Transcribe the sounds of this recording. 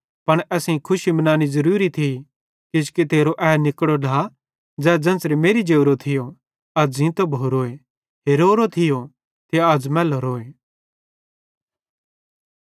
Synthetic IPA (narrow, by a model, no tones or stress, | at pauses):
pɐɽ̃ɛːsĩkʰʊʃibɐnaːnizɐɾuːɾit̪ʰi | kɪd͡ʒket̪eːɾoʔɛːnɪkɽoɖa | d͡zɛːd͡zɐ̃nsɾimeːɾid͡ʒeːʊɾot̪ʰɪjo | ɐd͡zĩt̪obʱoːɾoːe | ɦeːɾoːɾot̪ʰɪjo | t̪ʰeɐd͡zmɛːloɾoːe